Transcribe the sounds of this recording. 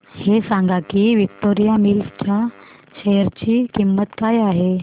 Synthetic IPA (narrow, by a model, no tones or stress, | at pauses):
hesãŋɡakiːʋik̚t̪oɾijamilft͡ɕja | ɕejəɾt͡ɕiːkimːət̪kajaɦe